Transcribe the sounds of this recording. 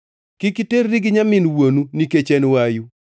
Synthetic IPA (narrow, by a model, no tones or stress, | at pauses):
kɪkiteɾɾiɡɪɲamɪnwonuniket͡ʃɛnwaju